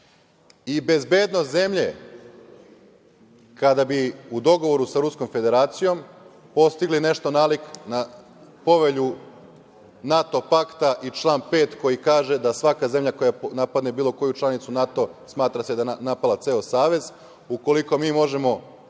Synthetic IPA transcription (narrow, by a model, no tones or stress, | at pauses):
ibe̞zbe̞d̪noze̞mʎe̞̰ | kad̪abiud̪o̞ɡo̞ʋo̞ɾusaɾuskomfe̞d̪e̞ɾaːt̪sijo̞m | po̞st̪iɡline̞ʃt̪o̞naːlikna | po̞ʋe̞ʎu | nat̪o̞pakt̪aʔit͡ʃlˠaːnpe̞ːt̪ko̞jikaːʒe̞d̪asʋakaze̞mʎako̞janapad̪nebiːlˠo̞ko̞jut͡ʃlˠanit̪sunat̪o̞smaːt̪ɾase̞d̪anapalat̪seːosaːʋe̞z | uko̞liko̞miːmo̞ʒe̞mo̞